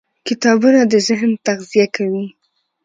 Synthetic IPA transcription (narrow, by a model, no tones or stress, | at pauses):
kɪt̪ɑbunad̪əzɪɦnt̪aɣzijakawi